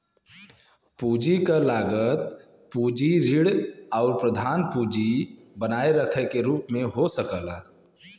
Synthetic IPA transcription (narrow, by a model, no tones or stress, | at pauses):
puːd͡ʒikalaːɡət̪ | puːd͡ʒiɾɪɽɔːɾpɾəd̪ʱaːnpuːd͡ʒi | bənaːeɾəkʰəkeɾuːpmẽɦosəkəla